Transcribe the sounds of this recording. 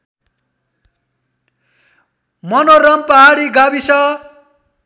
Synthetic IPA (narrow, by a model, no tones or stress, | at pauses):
mʌnoɾʌmpʌɦaɽiɡabisʌ